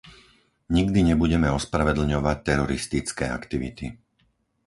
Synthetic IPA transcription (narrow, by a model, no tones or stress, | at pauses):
ɲiɡd̪iɲɛbuɟɛmɛɔspɾaʋɛd̪l̩ɲɔʋac̚t̪ɛɾɔɾist̪it͡skɛːa̰kt̪iʋḭt̪i